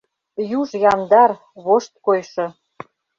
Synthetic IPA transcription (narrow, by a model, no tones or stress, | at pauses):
juʒjɑnd̪ɑr | βoʃt̪̚kojʃɤ̆